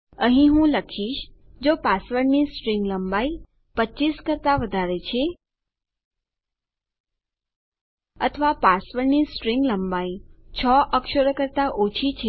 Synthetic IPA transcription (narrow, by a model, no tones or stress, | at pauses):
əɦĩɦũləkʰiʃd͡ʒopasʋəɾnisʈɾiŋɡləmbai | pəːt͡ʃiskəɾt̪aʋəd̪ʱaɾet͡ʃʰe | ət̪ʰəʋapasʋəɾnisʈɾiŋɡləmbait͡ʃʰɔʔəkʃəɾəkəɾt̪aʔot͡ʃʰit͡ʃʰe